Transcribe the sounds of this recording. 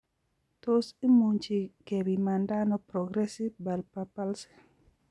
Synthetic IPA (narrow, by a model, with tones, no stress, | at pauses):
to˦si˦mu˨ɲt͡ʃi˨ɡ̥e˨bi˨ma˨nda˦nɔ˦pɾɔ˨ɡɾɛ˦si˦vba˨lpa˨pa˦lsi̥˨